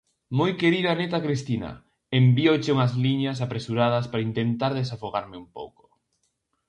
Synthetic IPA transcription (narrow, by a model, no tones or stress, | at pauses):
mojkeɾiðanet̪akɾist̪inɐ̰ | embiot͡ʃɪuŋɐzliɲɐs̬apɾesuɾað̞ɐspaɾaint̪ent̪aɾðesafoɣaɾmɪumpo̰wko̥